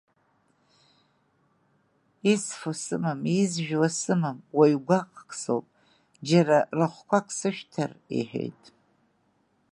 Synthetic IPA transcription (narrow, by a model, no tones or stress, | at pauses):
isfosɨmɨmizʒᶣwasɨmɨmwajɡʷaqʼʰkʰʼso̰wpʼ | d͡ʒaɾarɨχʷkʷʰakʷʰʼsɨʃᶣtʰarḛħᶣḛjtʼ